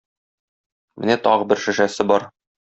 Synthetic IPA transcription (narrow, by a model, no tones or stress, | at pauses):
mɘ̰̆næt̪ɒʁɤbɘɾʃɘ̆ʃæsɘbɒɾ